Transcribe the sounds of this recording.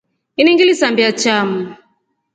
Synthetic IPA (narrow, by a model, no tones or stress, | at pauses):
iniŋɡilisambiat͡ʃamu